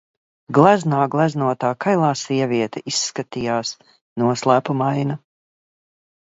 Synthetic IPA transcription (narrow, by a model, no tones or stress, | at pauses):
ɡlˠaznaːɡlˠaznuɔt̪aːkajlˠaːsiɛviɛt̪ɛisːkat̪ijaːs | nuɔslˠæːpumajna